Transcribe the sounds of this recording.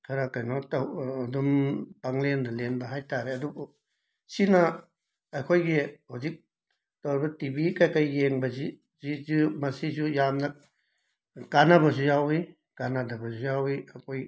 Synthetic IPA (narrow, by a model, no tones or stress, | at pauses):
kʰaɾakajnɔtaːdumpaŋlendalenbaɦajtaɾɛadubɔ | sina | akʰojɡehuzik̚ | tɔwɾbatibikajkajːeŋbazi | zizumasizujamna | kanabazujawi | kanadabazujawiakʰoj